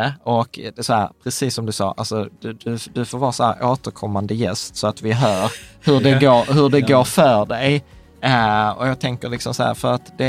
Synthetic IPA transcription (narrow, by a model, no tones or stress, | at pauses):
əɔk̪sɔhæːɾpʰɾɛsiːsːɔmd̪ɵsɑ̰ːʔa̰lsɔd̪̥d̪ɵd̪ɵfoːɾvɑːɾashæ̰ɾʔoːt̪əɾkʰɔmːand̪əjɛst̪sɔat̪vɪɦœːɾhɵɖɛɡoːɾhɵɖɛɡoːɾfœːɖɛj | ɔ̰jɑːɡ̚t̪ʰɛŋkəlɪksɔmsahæ̰ːɾfœɾat̪d̪ɛ